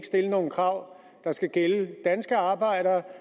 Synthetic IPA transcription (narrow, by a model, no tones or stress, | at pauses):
ɡ̥sd̥e̝ləno̝ːn̩kʰʁɑ̈ʊ̰ | d̥ɑ̈sɡ̥æɡ̥eləd̥ænsɡ̥əɑ̈ːb̥ɑ̈ɪ̰ɾ̥ɐ